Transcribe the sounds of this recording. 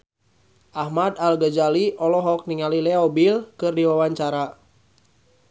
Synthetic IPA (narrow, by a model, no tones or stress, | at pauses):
ʔahmad̪alɡad͡ʒaliʔɔlɔɦɔk̚niŋalilɛɔbilkɨrdiwawaɲt͡ʃaɾa